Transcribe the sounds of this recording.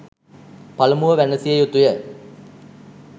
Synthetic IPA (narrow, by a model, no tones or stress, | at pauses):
palɐmuʋəʋænəsijəjut̪ujə